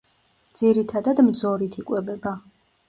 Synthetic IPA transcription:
d̪z̥iɾit̪ʰad̪ad̪md̪zɔɾit̪ʰikʼwɛbɛba

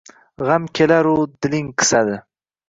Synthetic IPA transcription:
ʁamkʲʰelaɾʊd̪ɪlɪŋqʰɨ̥sad̪ɪ

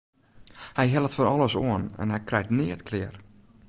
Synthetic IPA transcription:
hɛjɦɛlˠətfəɾɔlˠəsoənɛ̰nhɛjkrɛjtnɪətkʰlɪər

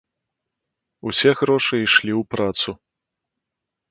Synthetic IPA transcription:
usʲɛɣɾɔʂɨiʂlʲiwpɾat̪su

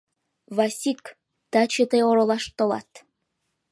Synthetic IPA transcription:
βɑsʲik | t̪ɑt͡ɕet̪eoɾolɑʃt̪olɑ̰t̪

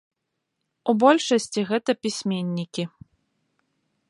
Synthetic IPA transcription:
ubɔlʲʂɐsʲt͡sʲiɣɛt̪ɐpʲisʲmʲenʲːikʲi

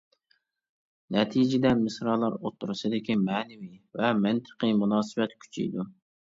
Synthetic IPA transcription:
nɛt̪ʰijd͡ʒɪd̪ɛmɨsɾɑlˠɑɾot̪ʰːuɾɨsɨd̪ɪkʲimɛːnɪvivɛmɪnt̪ʰə̥qimunɑːsɨvɛt̪kʲʰy̥t͡ʃʰḭjd̪u

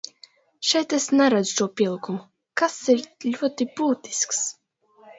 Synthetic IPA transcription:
ʃɛjt̪esnɛɾad̪zu̥ʃuɔpʲiɛlˠikumu | kasiɾlʲuɔt̪ibuːt̪i̥sks

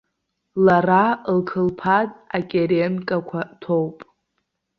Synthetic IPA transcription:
laralkʰɨlpʰatʼakʲʼeɾenkʼakʷʰatʰowpʼ

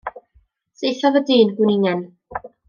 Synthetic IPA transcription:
sejθɔvədiːnɡwɪnɪŋɛn

